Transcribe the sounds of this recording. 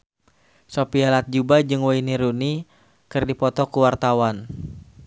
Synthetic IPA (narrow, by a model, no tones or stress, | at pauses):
sopialat̪̚d͡ʒubad͡ʒɨŋwainiɾuni | kɨrdipɔt̪ɔkuwart̪awan